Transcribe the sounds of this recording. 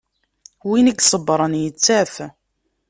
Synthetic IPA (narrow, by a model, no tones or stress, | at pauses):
winiɡsˤəbːɾˤənjət͡sːæθ